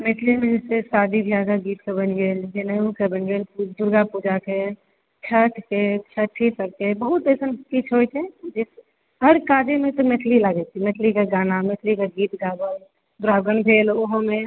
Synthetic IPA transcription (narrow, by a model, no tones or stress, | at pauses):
meʈʰlimẽd͡ʒɪssesaːd̪ib̪ʱjaːɡaɡiːt̪̚kebənɡeːld͡ʒenəjũkebənɡeːlpud̪ʊɾɡapud͡ʒake | t͡ʃʰəʈʰket͡ʃʰəʈʰːisəɾkebəɦut̪eɪsənkit͡ʃʰɦojt͡ʃʰed͡ʒɪs | ɦəɾkaːd͡ʒemẽt̪omeʈʰlilaɡɛt̪imeʈʰlikeɡaːnameʈʰlikaɡiːt̪ɡaːbəl | d̪ʊɾaːɡənbʱeːloɦmẽ